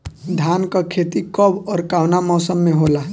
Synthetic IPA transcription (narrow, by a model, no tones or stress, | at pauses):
d̪ʱjaːnkakʰeːt̪ikɔbɔːɾkaːwnamɔːsəmːẽɦoːlaː